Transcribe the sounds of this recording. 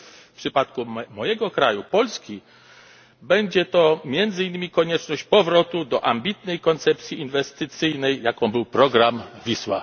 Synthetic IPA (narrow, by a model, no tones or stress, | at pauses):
fpʂɘpat̪kumɔjɛɡɔkɾajupɔlskʲi | bɛɲd͡ʑɛt̪ɔmʲjɛnd̪zɘinːɘmʲikɔɲɛt͡ʂnɔɕt͡ɕpɔvɾɔt̪ud̪ɔʔambʲit̪nɛjkɔnt̪sɛp̚t̪sʲjiinvɛst̪ɘt̪sɘjnɛjːakɔ̃w̃bɘwpɾɔɡɾamvʲiswa̰